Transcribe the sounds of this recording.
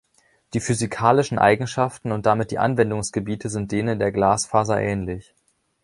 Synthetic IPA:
d̥iːfyzikʰaːlɪʃn̩ʔa̰ɪɡŋ̩ʃaftn̩ʊntd̥amɪt̚d̥ḭːʔa̰nvɛndʊŋsɡ̥əbiːtʰəzɪnt̚d̥eːnəndeːɐɡlaːsfaːzɐʔɛːnlɪç

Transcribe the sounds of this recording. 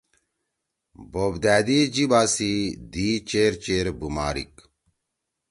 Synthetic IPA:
boːbd̪æːd̪id͡ʑibaːsid̪iːt͡ɕeɾt͡ɕeːɾbuma̰ːɾḭk

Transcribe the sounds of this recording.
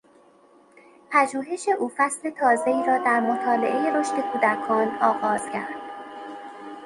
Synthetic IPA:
pʰæd͡ʒuːɦe̞ʃe̞ʔuːfæsle̞t̪ʰɒːze̞iːɾɒːd̪æɾmot̪ʰɒːle̞̰ʔejeɾo̞ʃt̪e̞kʰuːd̪ækʰɒːnɒːɣɒːz̥cʰæ̰ɾd̪̥

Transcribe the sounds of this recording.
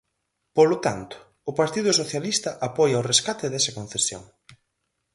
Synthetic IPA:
polʊt̪a̰nt̪ʊ̥ːpaɾt̪iðʊsoθjalist̪ɐʔapɔjawreskat̪ɪðɛsɐkõn̟θesjo̰ŋ

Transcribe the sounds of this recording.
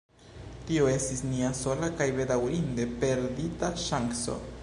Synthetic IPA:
tio̞e̞stisniaso̞lakajbe̞dawɾinde̞pe̞ɾditaʃaŋɡso̰

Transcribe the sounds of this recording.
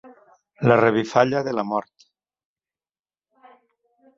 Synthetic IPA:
lareβ̞ifaʎaðelamɔɾt̪

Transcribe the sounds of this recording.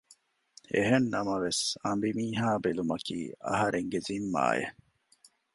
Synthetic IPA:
eɦenːɐmɐʋesɐmbimiːɦaːbelumɐkḭːɐ̰ɦɐɾʔeŋɡezimːa̰ːjḛ

